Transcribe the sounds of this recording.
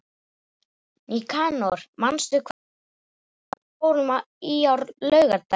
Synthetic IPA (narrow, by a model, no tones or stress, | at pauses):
nikʰaːnɔɾ̥manst̪ʏkʰv | owɾʏma | iawɾlœɥɣat̪